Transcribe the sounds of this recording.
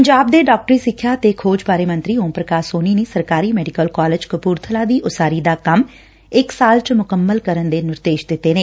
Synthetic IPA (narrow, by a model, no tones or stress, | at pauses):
pəɲd͡ʒaːb̚d̪eːɖaːk̚ʈɾiːsɪkʰːjaːt̪eːkʰoːd͡ʒpaːɾeːmə̃nt̪ɾiːɦõːpɾəkaːsoːniːniːsəɾkaːɾiːmɛːɖikəlkaːlɪd͡ʒkəpuːɾt̪ʰəlaːd̪iːʔʊsaːɾiːd̪aːkəm | ɪksaːlt͡ʃmʊkəmːəlkəɾənd̪eːnɪɾd̪eːʃd̪ɪt̪ːeːneː